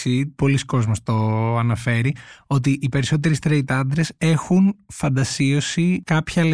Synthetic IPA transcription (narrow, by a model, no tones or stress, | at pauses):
ipo̞lisko̞zmo̞st̪o̞ɐnɐfe̞ɾio̞t̪̬iʔipe̞ɾiso̞t̪̬e̞ɾist̪ɾeit̪ɐnd̪ɾe̞se̞xunfɐnd̪ɐsio̞sikɐpçɐl